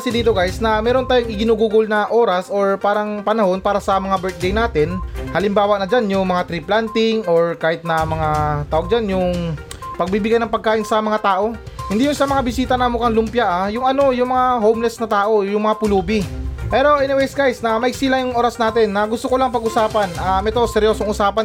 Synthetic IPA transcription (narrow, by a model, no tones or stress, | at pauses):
sɪd̪iːt̪oɡajsnɐmɛːɾont̪aːjoŋɪɡɪnuːɡuːɡʊlnɐʔo̞ːɾɐsʔo̞ɹpaːɾɐŋpɐnɐho̞npaːɾɐsɐmɐŋabɛɹt̪̚d̪ejnaːt̪ɪnhɐlɪmbaːwɐʔnɐd͡ʒanjʊŋmɐŋat̪ɾiplant̪ɪŋo̞ɹkaːhɪt̪̚nɐmɐŋat̪aːoɡ̚d͡ʒanjʊŋ | pɐɡ̚bibɪɡajnɐŋpɐɡ̚kːaːʔɪnsɐmɐŋat̪aːʔo̞ | hɪnd̪ijʊnsɐmɐŋabɪsiːt̪ɐnɐmʊkɐŋlʊmpjaʔajʊŋɐno̞jʊŋmɐŋaɦowmlɛsnɐt̪aːʔo̞jʊŋmɐŋapʊluːbɪpɛːɾo̞ʔɛnɪwɛjsɡajsnɐmɐʔɪɡ̚siːlɐjʊŋʔo̞ːɾɐsnaːt̪ɛnːɐɡʊst̪okolaŋpɐɡʔʊsaːpɐnʔamɛt̪osɛɾjo̞soŋʔʊsaːpɐn